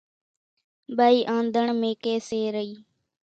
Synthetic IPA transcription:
ɓaːiːʔãːnd̪ʱəɳmẽːkeːseːɾəiː

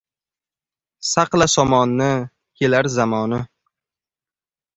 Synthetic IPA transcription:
saqlasɒmɒnːɪ | kʲʰelaɾzamɒnɪ

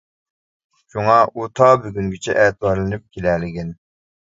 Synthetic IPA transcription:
ʃuŋɑot̪ʰɑbyɡʲyŋɡʲit͡ʃʰɛ̰ʔɛt̪wɑɾlˠɨnyp̚kʲʰelælɪɡʲɪn

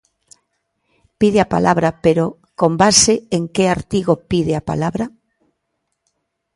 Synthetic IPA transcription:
piðeapa̰lʔaβɾapeɾo | kombaseeŋkeaɾt̪iɣopiðeapa̰laβɾa

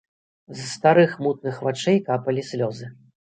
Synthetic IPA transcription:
zst̪aɾɨxmut̪̚nɨxvat͡ʂɛjkapɐlʲisʲlʲɔzɨ

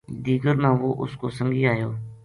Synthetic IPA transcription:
d̪iːɡəɾmãːʋoːʔʊ̰skoːsəŋɡʱiːaːjoː

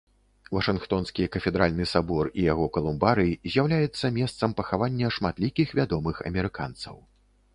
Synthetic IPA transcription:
vɐʂɨnxt̪ɔnskʲikɐfʲɛd̪ɾalʲnɨsabɔrijaɣɔkɐlˠumbaɾɨzʲjawlʲajɛt̪sːɐmʲɛst̪sɐmpɐxavanʲːɐʂmat̪lʲikʲixvʲad̪ɔmɨxɐ̰mʲɛɾɨka̰nt̪sɐ̰w

